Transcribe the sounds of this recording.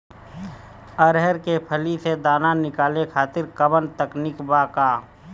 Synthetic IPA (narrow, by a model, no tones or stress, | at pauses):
əɾɦɛɾkepʰəlised̪aːnanɪkaːlekʰaːt̪ɪɾkəbənt̪əknɪkbakaː